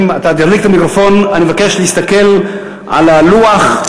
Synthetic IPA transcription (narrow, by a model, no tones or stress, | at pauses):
mat̪ad̪iɾik̚t̪amikɾofo̞nanimevake̞ʃleist̪ake̞l | ʔa̰laluaχ